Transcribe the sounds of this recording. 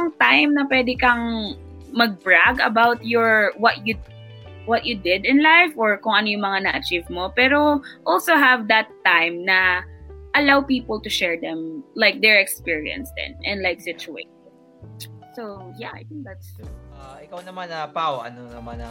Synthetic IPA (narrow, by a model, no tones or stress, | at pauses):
ɐŋt̪ajmnɐpwɛd̪ɪkɐŋ | mɐɡ̚bɹaɡɐbawt̪̚jɔɹwɔt̪̚ju | wɔt̪̚jʊd̪ɪd̪ɪ̃nlajfʔɔɹkʊŋʔɐnojʊ̃ŋmɐŋanɐʔɐt͡ʃivmopɛːɾoʔɔlsoɦɐvd̪ɐt̪ːãjmnɐ | ʔɐlawpiːpɔlt̪ʊʃɛɹd̪ɛ̃mlaɪk̚d̪ɛɹɛkspiɹḭɐ̰̃nsd̪ɛ̰̃nʔɛ̃nd̪lajksɪt͡ʃʊḛɪt̪ɪ | sojaʔa̰jt̪ɪ̃ŋk̚d̪ɐt̪st̪ɹuʔaʔɪkawnɐmanɐpawʔɐ̰nonɐmanɐ